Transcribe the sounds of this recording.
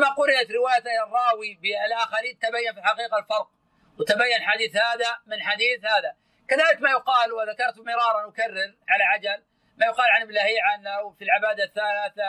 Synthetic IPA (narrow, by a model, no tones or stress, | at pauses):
amaqʊɾɪʔat̪ɾɪwaːjat̪arˤːɑːwibɪalʔaxaɾiːnt̪abajːanfilħaqiːqɑlfɑɾˤq̚ | wɪt̪abajːanħad̪iːθhaːðamɪnħad̪iːθhaːða | kaðaːlɪkmajʊqɑːlwɪðakɑɾˤt̪mɪɾˤɑːɾˤɑnwʊkarːɪlʕalaʕad͡ʒal | maːjʊqɑːlʕanɪblaːhiːʕanawfilʕɪbaːd̪aθːalaːθa